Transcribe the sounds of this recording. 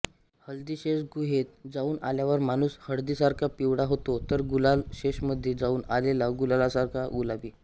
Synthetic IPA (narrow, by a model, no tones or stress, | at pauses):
həld̪iːɕeɕɡuɦet̪̚d͡zauːna̰ljaʋəɾmañuːshəɽd̪iːsaɾkʰjapiʋɽaɦot̪ot̪əɾɡulalɕeɕməd̪ʱːjed͡zauːnalelaɡulalasaɾkʰaɡulaʋiː